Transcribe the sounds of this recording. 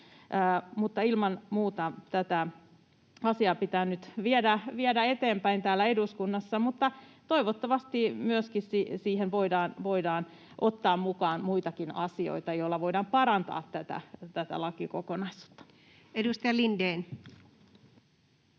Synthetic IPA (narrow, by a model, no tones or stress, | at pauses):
ʔəːmut̪ːɑilmɑnmuːt̪ɑt̪æt̪æ | ɑsiɑpit̪æːnyt̪ʋiedæʋiedæet̪eːmpæint̪æːlːæeduskunːɑsːɑmut̪ːɑt̪oiʋot̪ːɑʋɑst̪imyøskissisiːhenʋoidɑːnʋoidɑːn | ʔot̪ːɑːmmukɑːnmuit̪ɑkinɑsio̰it̪ɑjoilːɑʋoidɑmpɑɾɑnt̪ɑ̰ːt̪ːæt̪æ̰t̪æt̪æ̰lɑkikokonɑisu̥t̪ːɑ̥ | edust̪ɑjɑlindeːn